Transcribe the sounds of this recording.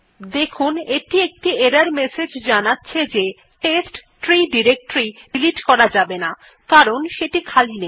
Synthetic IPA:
d̪ekʰuneʈiek̚ʈieɾaɾmesed͡ʑd͡ʑanatːɕʰed͡ʑe | ʈesʈ | ʈɾiɖiɾek̚ʈɾiɖiliʈkɔɾad͡ʑabena | kaɾonʃeʈikʰaline

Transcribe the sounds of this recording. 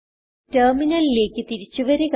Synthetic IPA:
tɐrminɐlile̞ːkʲːɨt̪iɾit͡ɕːuʋɐɾek

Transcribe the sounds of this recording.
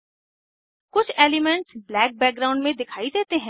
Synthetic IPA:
kʊt͡ʃʰeːlimə̃ɳʈsblɛːk̚bɛːk̚ɡɾaʊ̃ɳɖmẽd̪ɪkʰaːid̪eːt̪eɦɛ̃ː

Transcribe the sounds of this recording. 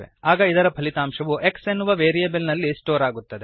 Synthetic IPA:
ḛaːɡɐid̪ɐɾɐpʰɐlit̪aːmʂɐʋuʔe̞ksenːuʋɐʋeːɾijebɐlnɐlːisʈoːɾaːɡut̪ːɐd̪e

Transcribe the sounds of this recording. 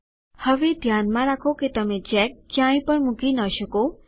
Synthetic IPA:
həʋed̪ʱjanmãɾakʰoket̪əmet͡ʃɛkːjãj̃pəɳmukinəʃəko

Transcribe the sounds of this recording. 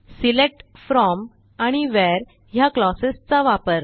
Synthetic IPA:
silek̚ʈfɾɔm | aɽ̃iʋɛɾ | ɦjaklɔsest͡saʋapəɾ

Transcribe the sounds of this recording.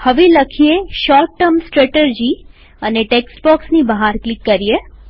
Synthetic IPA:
həʋeləkʰieʃɔɾʈːəɾmsʈɾeʈed͡ʒi | əneʈeksʈbɔksnibəɦaɾklikːəɾije

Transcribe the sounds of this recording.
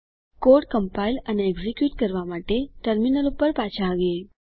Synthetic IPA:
koɾɽkəmpailəneːɡzikjuʈkəɾʋamaʈeʈəɾminəlupːəɾpat͡ɕʰaɡe

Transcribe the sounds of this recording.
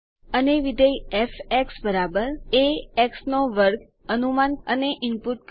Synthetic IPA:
əneʋid̪əjɛfɛksbəɾabəɾeɛksnoʋəɾk | ənumanəneʔɪmpuʈk

